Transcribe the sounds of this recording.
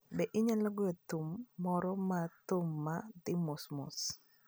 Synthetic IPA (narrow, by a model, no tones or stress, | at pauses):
bɛʔɪɲalɔɡɔjɔt̪umːɔɾɔmat̪ʊmːad̪ɪmʊsmʊ̰s